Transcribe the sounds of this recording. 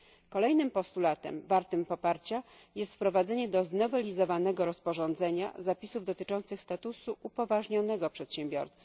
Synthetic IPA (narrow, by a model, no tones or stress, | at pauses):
kɔlɛjnɘmpɔst̪ulat̪ɛ̰mvaɾt̪ɘmpɔpaɾt͡ɕa | jɛst̪fpɾɔvad̪zɛɲɛd̪ɔznɔvɛlʲizɔvanɛɡɔɾɔspɔʐɔ̃nd̪zɛɲa̰zapʲisuvd̪ɔt̪ɘt͡ʂɔnt̪sɘxst̪at̪usuʔupɔvaʐɲɔnɛɡɔpʂɛt̪ɕɛmbʲjɔ̰ɾt̪s